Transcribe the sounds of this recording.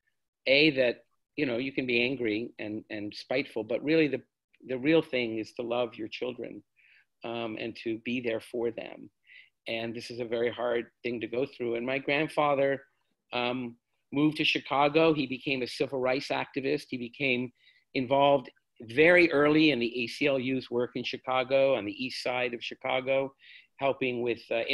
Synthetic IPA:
eɪðɨt̚ | jɨñoʊjɨkɨ̃nbiæ̃ŋɡɹiɨ̃nɨ̃nspaɪtfl̩ˠbʌʔ̚ɹɪlˠiðɨ | ðɨɹilˠθɪ̃ŋɨz̥tʰəlʌvjə˞t͡ʃʰɪlˠdɹɨ̰̃n | ʔɨ̰̃ntʰɨbiðə˞fə˞ðɨ̰̃m | ʔɨ̃nðɪsɨzɨvɛɹiɦɑɹd̪̚θɪ̃ŋtɨɡoʊθɹʉɨ̃nmaɪɡɹæ̃nd̥fɑðə˞ | muvtʰɨʃɨkʰɑɡoʊibɨkʰẽɪ̃mɨsɪvl̩ˠɹaɪsæ̰k̚tɨvɪst̚hibɨkʰẽɪ̃m | ɨ̃ɱvɑlˠvd | vɛɹiʔɜ˞lˠiɨ̃nðiʔeɪsiɛlˠjʉzwɜ˞kɨ̃nʃɨkʰɑɡoʊə̃nðiʔistsaɪɾʌv̥ʃɨkʰɑ̰ɡoʊ | hɛlˠpɪ̃ŋwɪð̥

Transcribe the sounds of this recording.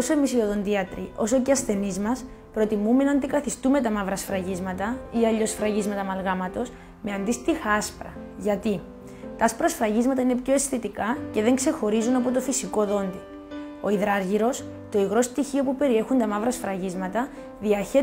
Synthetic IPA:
osoemisio̞ðo̞nd̪iɐt̪ɾio̞so̞ceɐsθe̞nizmɐs | pɾo̞t̪imume̞nɐnd̪ikɐθist̪ume̞t̪ɐmɐvɾɐsfɾɐʝizmɐt̪ɐiɐʎːo̞sfɾɐʝizmɐt̪ɐmɐlɣɐmɐt̪o̞s | me̞ɐnd̪ist̪ixɐɐspɾɐ̰ | ʝɐt̪i | t̪ɐɐspɾɐsfɾɐʝizmɐt̪ɐine̞pço̞e̞sθit̪ikɐce̞ðe̞ŋkse̞xo̞ɾizunɐpo̞t̪o̞fisiko̞ðo̞nd̪i | o̞iðɾɐɾʝiɾo̞s | t̪o̞iɣɾo̞st̪içio̞pupe̞ɾie̞xunt̪ɐmɐvɾɐsfɾɐʝizmɐt̪ɐ | ðiɐçe̞

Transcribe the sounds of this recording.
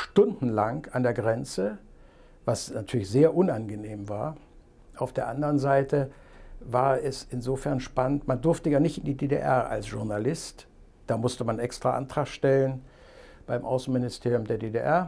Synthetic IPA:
ʃtʊndn̩laŋkandeːɐɡʁɛnt͡sə | vasnatʰyːɐlɪçz̥eːɐʔʊnanɡəneːmva̰ːɐ | ʔaʊfd̥eːɐʔandəʁənzaɪtə | vaːɐɛsɪnzoːfɛɐnʃpanəntmandʊɐftəjaːnɪçtɪndideːdḛʔɛɐa̰lsʒ̥ʊɐnalɪst | d̥aːmʊstəmanʔɛkstʁ̥aʔa̰ntʁ̥aːχʃtɛlən | b̥aɪmʔaʊsn̩mɪnɪstʰeːʁjʊmdeːɐdeːdeʔɛɐ

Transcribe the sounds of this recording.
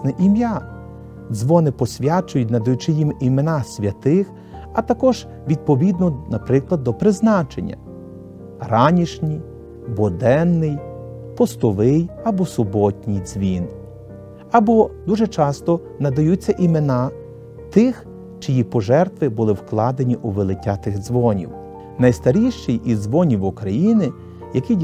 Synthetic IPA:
nɛʔimja | d̪zʋɔnɪpɔsʲʋʲat͡ʃʊjʊt̚ʲnɐd̪ɐjut͡ʃɪjimimenɑsʲʋʲɐt̪ɪx | ɐt̪ɐkɔʒ̥ | ʋʲid̪̚pɔʋʲid̪̚nɔnɐpɾɪklˠɐd̪ːɔpɾɪznɑt͡ʃḛnʲːɐ̰ | ɾɑnʲiʃnʲij | bɔd̪ɛnːɪj | pɔst̪ɔʋɪjɐbɔsʊbɔtʲnʲijzʲʋʲin | ɐbɔd̪uʒɛt͡ʃɑst̪ɔ | nɐd̪ɐjut͡sʲːɐʔimenɑ | t̪ɪx | t͡ʃɪjipɔʒɛrt̪ʋɪbʊlˠɪwklˠɑd̪enʲiʔuʋelˠɪtʲːat̪ɪɣzʋɔnʲḭw | nɐjst̪ɐɾʲiʃt͡ʃɪjʔizʋɔnʲiwʊkɾɐjinɪ | jɐki

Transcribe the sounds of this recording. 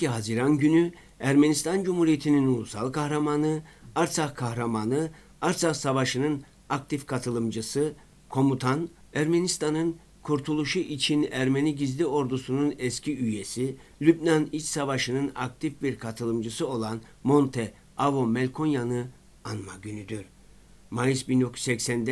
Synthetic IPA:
iɦaziɾanɟyny | æɾmenist̪ʰand͡ʒumhuɾijet̪ʰininulˠusalˠkʰahɾamanɯaɾsʰakʰahɾamanɯ | aɾsʰaχsavaʃɯnɯn | ak̚t̪ʰifkʰat̪ʰɯlˠɯmd͡ʒɯsɯ | kʰo̞mut̪ʰan | æɾmenist̪ʰanɯn | kʰuɾt̪ʰulˠuʃuʔit͡ʃʰinæɾme̞niɟizlʲio̞ɾd̪usununɛscʰiyje̞si | lʲybnanit͡ʃsavaʃɯnɯna̰k̚t̪ʰifbiɾkʰat̪ʰɯlˠɯmd͡ʒɯsɯo̞lˠan | mo̞nt̪ʰɛ | avo̞mɛlʲkʰo̞njanɯ | anmaɟynyd̪yɾ | majɯsbind̪o̞kʰɾu̥sɛcsænd̪ɛ

